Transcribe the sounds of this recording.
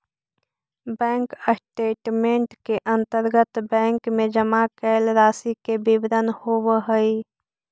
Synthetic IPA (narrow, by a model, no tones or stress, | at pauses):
bɛ̃ːŋkəsʈeːʈmẽːɳʈkeʔə̃nt̪əɾɡət̪bɛ̃ːŋkmẽd͡ʒəmakɛːlɾaːsikebibɾənhoːwəɦəi